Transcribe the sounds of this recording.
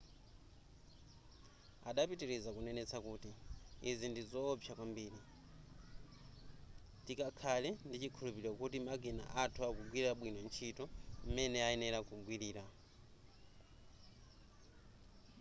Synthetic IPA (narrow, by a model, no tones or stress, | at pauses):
aɗapitiɾɛzakunɛnɛt͡sʰakuːtiːzindizɔːpʰjakwambiːɾi | tikakʰalɛndit͡ʃikʰulupiɾɔkutimaɡɛna̰ʔatʰuakuɡwiɾaɓwinɔnt͡ʃʰitɔmɛnɛaɛnɛɾakuɡwiɾiːɾa